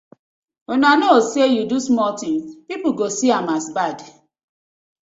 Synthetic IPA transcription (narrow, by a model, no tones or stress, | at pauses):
onanosejudusmɔltĩŋpipuɡosiãmasbad